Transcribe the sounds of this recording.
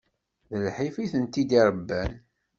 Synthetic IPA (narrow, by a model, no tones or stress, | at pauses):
ðəlħifiθənt̪id̪iɾˤəbːæn